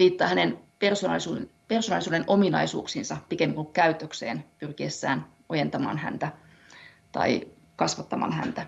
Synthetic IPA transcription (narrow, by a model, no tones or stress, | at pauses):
ʋiːt̪ːɑːhænenpersonɑ̰lsupersonɑlisuːdenʔo̞minɑ̰isṵːksinsɑpikemːiŋkukkæyt̪ːˑøksḛːnpyrkiesːæ̰ːn | ojent̪ɑmɑ̰ːnhæ̰nt̪æ | t̪ɑ̰i | kɑsʋɑt̪ːɑmɑ̰ːnhæ̰nt̪æ